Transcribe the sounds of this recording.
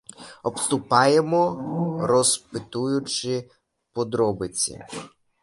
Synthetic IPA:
ɔpst̪ʊpɑjemɔɾɔspɪt̪ujʊt͡ʃɪ | pɔd̪ɾɔbɪt͡sʲḭ

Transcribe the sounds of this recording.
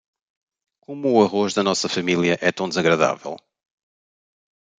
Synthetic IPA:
komuːɐʁoʒðɐnɔsɐfɐmilˠjɐʔɛt̪ɐ̃w̃d̪zɐɣɾɐða̰vɛ̰lˠ

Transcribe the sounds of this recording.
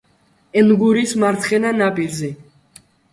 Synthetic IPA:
ɛnɡuɾismaɾt̪ʰχɛnanapʼiɾzi

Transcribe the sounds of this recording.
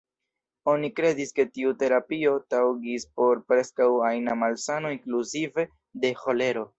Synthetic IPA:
o̞nikɾe̞diske̞tiute̞ɾapio̞tawɡispo̞ɾpɾe̞skawajnamalsano̞iŋkluzive̞ | de̞ho̞le̞ɾo̞

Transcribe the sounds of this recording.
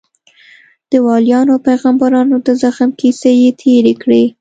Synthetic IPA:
d̪̥əwɑljɑnopajɣambaɾɑnod̪əzaxmkisejet̪ʰeɾekɽe

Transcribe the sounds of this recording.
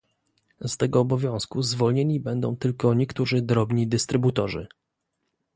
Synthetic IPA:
st̪ɛɡɔːbɔvʲjɔ̃w̃skuzvɔlɲeɲibɛnd̪ɔ̃w̃t̪ɘlkɔɲɛkt̪uʐɘd̪ɾɔbɲid̪ɘst̪ɾɘbut̪ɔʐɘ̰

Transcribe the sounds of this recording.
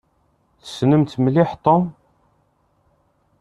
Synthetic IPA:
θə̥snəmt̪mlɪħt̪ˤːon

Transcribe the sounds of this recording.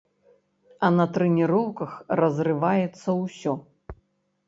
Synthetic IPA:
ɐnɐt̪ɾɛnʲiɾɔwkɐxrɐzrɨvajɛt̪sːɐwsʲɔ

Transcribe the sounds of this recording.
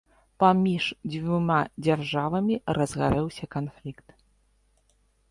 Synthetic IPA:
pamʲiʂd͡zʲvʲumad͡zʲarʐavɐmʲirɐzɣaɾɛwsʲɐkanflʲikt̪

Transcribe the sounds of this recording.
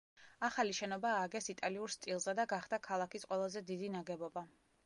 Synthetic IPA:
aχaliʃɛnɔbaːɡɛsit̪ʼaliuɾst̪ʼilˠzɛd̪aɡaχd̪akʰalˠakisqʼwɛlˠazɛd̪id̪inaɡɛbɔba

